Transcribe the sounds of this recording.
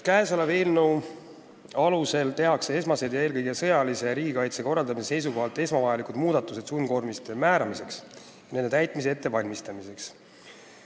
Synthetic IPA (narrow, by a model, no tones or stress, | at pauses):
kæesoleve̞ːlnow | ɑluse̞lt̪e̞ɦɑksee̞smɑse̞d̪̥jɑe̞ːlkɤjɡesɤjɑlise̞ɾiːɡikɑjt̪se̞ko̞rːɑld̪ɑmisese̞js̬uko̞ɦɑlt̪ːˑe̞smɑvɑjɑlikud̪̥muːd̪̥ɑt̪ːˑuse̞d̪sunko̞rmist̪emæːɾɑmise̞ks | jɑne̞nd̪e̞t̪æjt̪ˑmis̬e̞e̞t̪ːe̞vɑlʲmist̪ɑmise̞ks